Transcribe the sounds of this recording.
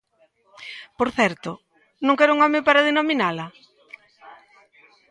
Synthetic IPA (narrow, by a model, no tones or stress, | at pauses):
poɾθɛɾt̪ʊ | nõŋkɛɾʊuŋɔmɪ̃paɾaðenominalɐ